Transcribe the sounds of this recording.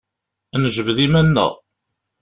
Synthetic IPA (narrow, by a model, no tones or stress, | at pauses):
nəʒəvəðimænːə̰ʁ